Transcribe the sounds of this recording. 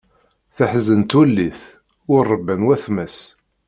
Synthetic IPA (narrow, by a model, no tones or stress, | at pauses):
θəħzənt̪ulːiθ | ʊrˤːəbːənwæθmæs